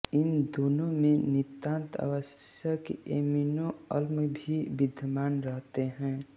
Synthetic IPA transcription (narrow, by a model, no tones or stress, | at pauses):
ɪnd̪oːnõmẽnɪt̪ãːnt̪a̰ʋəs | jəkeeːminoəlməbʱibɪd̪ʱjəmaːnɾəɦt̪eɦɛ̃ː